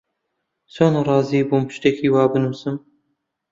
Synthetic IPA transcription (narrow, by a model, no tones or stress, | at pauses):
soːnɨrˤɑːziːbumpʰɨ̥ʃt̪ekʰiːwɑːbɨnumsɨm